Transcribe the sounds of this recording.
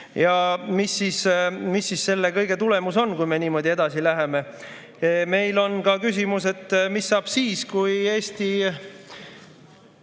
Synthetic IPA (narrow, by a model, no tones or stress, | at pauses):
jɑmisːiːsmisːisse̞lːe̞kɤjɡe̞t̪ule̞muso̞nkujme̞niːmo̞d̪ie̞d̪̥ɑsilæɦe̞me̞ | me̞jlo̞nkɑkys̬ʲimuse̞t̪ːˑmisːɑːb̥siːskuje̞ːst̪i